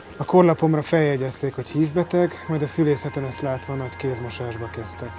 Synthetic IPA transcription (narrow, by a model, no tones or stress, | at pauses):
ɒko̞rlɒpo̞mrɒfɛjɛɟɛst̪eːkho̞chiːvbɛt̪ɛɡmɒjd̪ɒfyleːsɛt̪ɛnɛst̪laːt̪ʋɒːnɒckeːzmo̞ʃaːʒbɒkɛst̪ɛk